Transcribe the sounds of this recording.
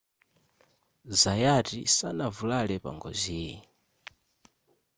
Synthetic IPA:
zajatḭsanavulalɛpa̰ŋɡɔ̰ziːɛ

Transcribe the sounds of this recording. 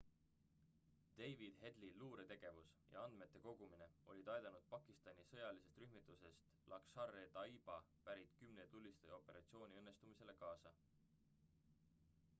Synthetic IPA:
d̪̥e̞jvid̪̥ɦe̞d̪liluːɾe̞t̪e̞ɡ̥e̞vusjɑ̰ɑnd̪me̞t̪ˑːe̞ko̞ɡ̥umine̞o̞̰lʲit̪ɑjd̪ɑnud̪̥̚pɑkːˑist̪ɑnʲisɤ̞jɑlise̞st̪ryɦmit̪ˑːuse̞st̪lʔɑksɑrːet̪ɑib̥ɑpæɾit̪kymnet̪ulʲːist̪ɑjo̞pːˑe̞ɾʔɑ̰t̪sio̞ːnʲiɤnːe̞st̪umise̞le̞kɑːsɑ

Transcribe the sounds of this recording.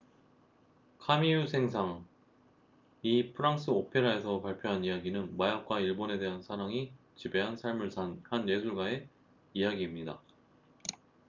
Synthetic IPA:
kʰamijusʰe̞ŋsʰaŋ | ipʰɯɾaŋs͈ʰɯopʰe̞ɾae̞sʰʌpaɭpʰjoɦanijaɡinɯnmajak̚k͈waiɭbone̞de̞ɦansʰaɾaŋi | t͡ɕibe̞ɦansʰaɭmɯɭsʰanhane̞sʰuɭɡae̞ | ijaɡiːmɲida

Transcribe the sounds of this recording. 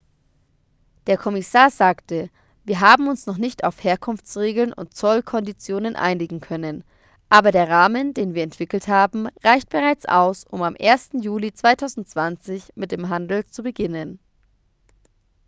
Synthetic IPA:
d̥eːɐkʰɔmɪsaːɐzaːktə | viːɐɦaːbm̩ʊnsnɔχnɪçta̰ʊfheːɐkʰʊnft͡sʁeːɡl̩nʊ̰nt̚t͡sɔlkʰɔndit͡sjoːnənʔa̰ɪnɪɡŋ̩kʰœnən | ʔaːbɐɾeːɐʁaːməndeːnviːɐɛntv̥ɪkl̩thaːbm̩ʁaɪçt̚b̥əʁaɪt͡sʔa̰ʊsʔʊmamʔeːɐstn̩juːlit͡sv̥aɪtʰaʊzn̩tt͡sv̥ant͡sɪçmɪt̚d̥eːmɦandl̩t͡subəɡɪnən

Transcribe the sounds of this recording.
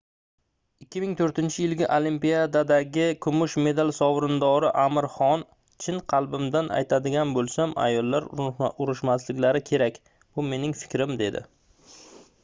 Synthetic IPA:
ɪkʲːɪmɪŋt̪ʰɵɾt̪ɪnt͡ʃʰɪjɪlɡʲɪʔolimpijad̪ad̪aɡʲɪkʰʊmʊʃme̞d̪alˠsɒwɾɪnd̪ɒɾɪʔamɪɾχɒn | t͡ʃʰɪnqʰɑlˠbɪmd̪ana̰jt̪ʰad̪ɪɡʲanbolˠsama̰jɒlˠːaɾʊɾɪʃmaslɪkʲlaɾɪkʲʰe̞ɾakʲ | b̥ʊme̞nɪŋfɪ̥kʲɾɪmd̪e̞d̪ɪ̰

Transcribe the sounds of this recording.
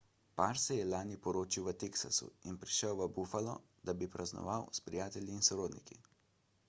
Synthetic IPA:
paɾsɛjɛlaːnipɔɾoːt͡ʃiwʋət̪eːksa̰sṵinpɾiʃɛwʋəbufalɔ̰ | d̪abipɾʔaznɔ̰ʋawspɾijaːt̪ɛlʲjiːnsɔɾoːd̪nikḭ

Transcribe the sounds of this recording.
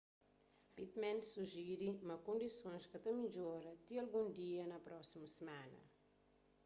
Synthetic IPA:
pit̪mɛ̃nsuʒiɾimɐkõnd̪isõñskɐt̪ɐmiʎoɾɐt̪iɐlɡũnd̪iɐnɐpɾɔsimusəmanɐ̰

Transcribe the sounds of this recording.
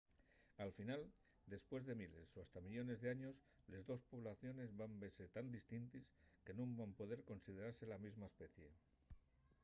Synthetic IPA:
alfinal | d̪e̞spwe̞zðe̞mile̞so̞ast̪amiʎo̞ne̞zðe̞aɲo̞s | le̞zðo̞spo̞β̞laθjo̞ne̞zβambese̞t̪and̪ist̪int̪iske̞nõmbampo̞ð̞e̞ɾko̞nsið̞e̞ɾaɾse̞lamizmaespe̞θje̞

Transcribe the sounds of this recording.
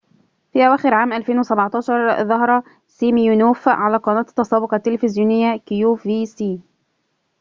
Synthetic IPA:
fiːʔæwæːxɪɾʕaːmʔælfeːnwɪsæbʕt̪ˤɑːʃɑɾˤðˤɑɦɑɾˤɑ | siːmjunuːfʕalæːqɑnɑːt̪t̪ːɑsˤɑːbʊqɑt̪ːelfɪzjuːnɪjːækɪjuːviːsiː

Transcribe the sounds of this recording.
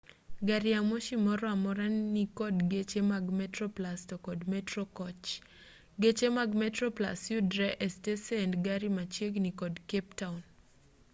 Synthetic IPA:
ɡaɾɪamoʃimɔɾɔamɔɾanːikɔdɡet͡ʃemaɡmɛtrɔplastɔkɔdmɛtɾɔkɔt͡ʃ | ɡet͡ʃemaɡmɛtɾɔpla̰sjudɾɛʔɛsteseɛndɡaɾimat͡ʃjeɡnikɔdkeptaun

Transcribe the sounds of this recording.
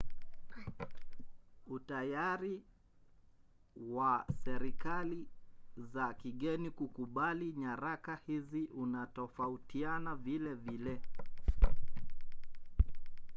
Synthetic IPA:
utajaɾi | wasɛɾikalizakiɠɛnikukuɓaliɲaɾakahiziʔunatɔfautianavilɛvilɛ

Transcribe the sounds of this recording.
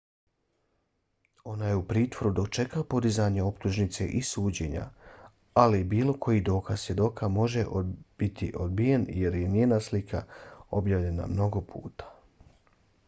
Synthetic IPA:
o̞najeupɾiːt̪ʋo̞ɾud̪o̞kt͡ʃe̞kapo̞d̪izaɲeo̞pt̪uʒnit̪se̞̰ʔisuːd͡ʑe̞ɲa̰ | alibiːlˠo̞kʰo̞jid̪o̞ːkaz̥sʋje̞d̪o̞ːkamo̞ʒeʔbit̪ʰḭʔod̪̚bijenje̞ɾjeniːnaslikʰa̰o̞bjaːʋʎe̞na̰mno̞ɡo̞pʰṵːt̪ḁ

